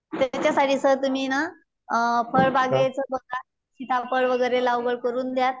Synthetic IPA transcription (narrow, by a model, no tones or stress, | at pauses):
t̪jat͡ɕjasaʈiːsət̪um̤iːna | pʰəɭbaɡet͡səbəŋɡa | ɕit̪ʰapəɭʋəɡəjɾelawɡəɭkəɾuːnd̪jat̪̚